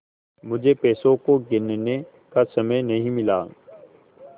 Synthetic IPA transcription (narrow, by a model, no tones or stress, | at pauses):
mʊd͡ʒʱepɛːsõkoɡɪnne | kasɐməjnɐɦĩmɪlaː